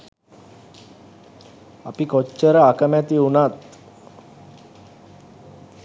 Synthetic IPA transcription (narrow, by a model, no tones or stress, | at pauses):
apikot͡ʃːəɾəakəmæt̪iunat̪